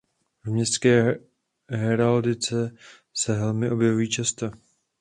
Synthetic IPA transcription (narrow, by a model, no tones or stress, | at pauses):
vmɲɛst̪skɛː | ɦɛɾald̪ɪt͡sɛ | sɛvɛlmɪʔo̞bjɛvujiːt͡ʃast̪o